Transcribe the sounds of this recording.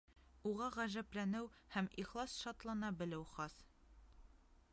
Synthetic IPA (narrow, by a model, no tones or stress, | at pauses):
uʁɑʁæʒæplænɘwhæmiχlˠɑsʃɒt̪lˠɑnɑbɘ̆lɘwχɒs